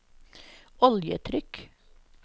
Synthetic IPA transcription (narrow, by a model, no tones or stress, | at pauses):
ɔljə̰t̪ʰɾʏk